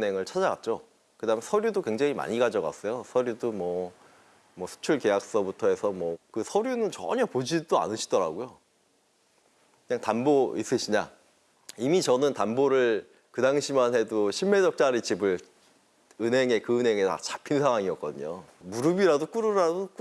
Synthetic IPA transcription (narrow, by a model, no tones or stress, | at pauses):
ne̞ŋɯɭt͡ɕʰad͡ʑaɡa̰t̚t͡ɕ͈o | kɯdamesʰʌɾjudokwe̞ŋd͡ʑaŋima̰ɲiɡad͡ʑʌɡa̰s͈ʌjosʰʌɾjudomwʌ | mʌsʰu̥t͡ɕʰuɭke̞jak̚s͈ʌbutʰʌe̞sʰʌmwʌkɯsʰʌɾjunɯnt͡ɕʌ̰ɲʌpod͡ʑidoa̰nɯɕʰi̥dʌɾa̰ɡojo | kɯɲaŋtanbois͈ɯɕʰiɲa | imit͡ɕʌnɯntanboɾɯɭ | kɯdaŋɕʰimanɦe̞doɕʰimːe̞d͡ʑʌk̚t͡ɕ͈aɾit͡ɕibɯɭ | ɯnɦe̞ŋe̞kɯɯnɦe̞ŋe̞ta̰t͡ɕapʰinsʰaŋwaŋiʌk͈ʌdɯɲo | muɾɯbiɾadok͈uɾɯɾadok